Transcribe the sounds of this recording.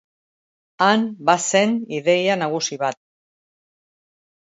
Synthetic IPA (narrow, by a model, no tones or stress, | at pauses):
anbase̞niðe̞janaɣ̞usiβat̪̚